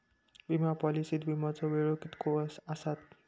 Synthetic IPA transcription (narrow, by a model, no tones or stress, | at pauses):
bimapɔlisit̪bimat͡sɔbeɹokit̪kʰosasat̪̚